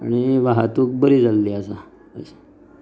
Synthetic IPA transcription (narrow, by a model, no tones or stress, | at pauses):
a̰ɽ̃iʋaɦat̪ũːk̚bəɾiːd͡zalːiasa | ə̰se̥